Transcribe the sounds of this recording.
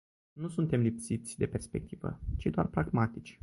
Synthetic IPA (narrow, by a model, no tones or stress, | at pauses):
nusunt̪e̞mlipsit̪sʲd̪e̞pe̞rspe̞̰k̚t̪ʰivə̰t͡ʃid̪oa̰rpɾaɡmat̪it͡ʃʲ